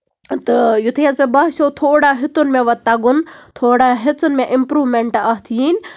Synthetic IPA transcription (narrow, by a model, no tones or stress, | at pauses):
t̪ɨjut̪ʰejɐzpebaːʃoːt̪ʰoːɽaːɦɪt̪unmẽʋɐt̪ːɐɡʊnt̪ʰoːɽaːɦɪt̪unmẽʔɪmpɾuːʋmeɳʈaːɦt̪ʰiiːn